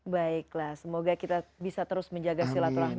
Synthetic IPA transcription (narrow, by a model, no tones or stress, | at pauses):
baɪklahsəmoɡakit̪abisat̪əɾʊsməɲd͡ʒaɡasilat̪uɾaɦ